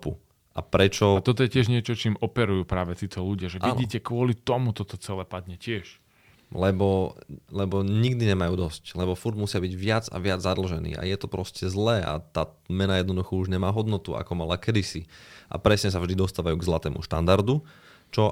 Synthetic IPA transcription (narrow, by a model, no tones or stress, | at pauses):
pu | ʔapɾɛt͡ʃɔt̪ɔt̪ɔjɛcɪɛʒɲɪɛt͡ʃɔt͡ʃiːmɔpɛɾujuːpɾaːʋɛt̪iːt̪ʰɔluɟɪaʒɛainiːcɛkʋʊɔlit̪ɔmut̪ɔt̪ɔt͡sɛlɛpad̪ɲɛcɪɛʃ | lɛbɔlɛbɔɲiɡd̪iɲɛmajuːd̪ɔsclɛβɔfuɾd̪musɪabiɟʋɪad͡za̰ʋɪad͡zzad̪l̩ʒɛnḭːa̰jɛt̪ɔpɾɔscɛzlɛːʔa̰t̪aːmɛnajɛd̪nɔd̪uxɔuʒɲɛmaːɦɔd̪nɔt̪ua̰kɔmalakɛd̪isiʔa̰pɾɛsɲɛs̬avʒd̪id̪ɔst̪aːʋajuːɡzlat̪ɛːmṵʃt̪and̪aɾd̪u | t͡ʃɔ